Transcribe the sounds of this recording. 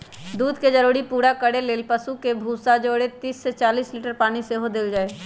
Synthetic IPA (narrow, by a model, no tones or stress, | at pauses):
d̪uːd̪ked͡ʒəɾuːɽipuːɾakəɽeleːlpəsukebʱuːsad͡ʒoːɽet̪iːsːet͡ʃaːliːsliːʈəɾpaːñiseɦod̪eld͡ʒaːeː